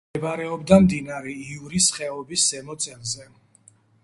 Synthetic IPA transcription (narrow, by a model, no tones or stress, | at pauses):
baɾɛɔbd̪amd̪inaɾɛiuɾisχɛɔbisːɛmɔt̪sʼɛlzɛ